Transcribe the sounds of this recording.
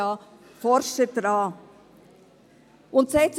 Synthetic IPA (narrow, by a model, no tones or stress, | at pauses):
ɑː | fɔɾʃəd̥ɾɑː | ʊntsɛɪts